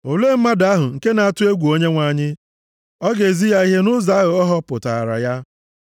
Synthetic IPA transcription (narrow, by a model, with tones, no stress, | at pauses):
o˨le˦m̩˦ma˦da˦ɦʊ˨ŋ̩˨ke˦na˨a˦tʊ˦e˦ɡʷu˨o˦ɲe˦ŋʷa˨ɲɪ˦ | ɔ˦ɡe˨zi˦ja˦i˦ɦe˦nʊ˦za˦ɣʊ˨ɔ˦ɦɔ˦pʊ˨ta̰˨a̰˨ɾa̰˨ja˦